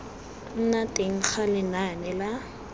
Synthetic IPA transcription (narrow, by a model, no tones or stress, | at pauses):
n̩natʼeŋ̩k͡xʰalɪnanɛla